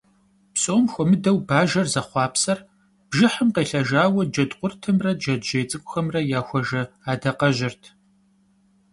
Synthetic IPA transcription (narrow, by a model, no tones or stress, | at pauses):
psʼoːmxʷɔmɨdɐwbaːʒɐrzɐχʷɑːpsɐr | b̥ʒɪħəmqeːɬɐʒaːwɐdd͡ʒɐdqʷʊrtʰɨmrɐdd͡ʒɐdʒejt͡sʼɨkʷʼʊxɐmrɐjaːxʷɔʒɐaːdɐqɐʒɪrtʰ